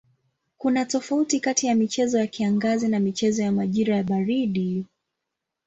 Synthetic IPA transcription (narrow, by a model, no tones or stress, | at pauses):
kunatɔfautikatijamit͡ʃɛzɔjakiaŋɡazinamit͡ʃɛzɔjamaʄiɾajaɓaɾiɗi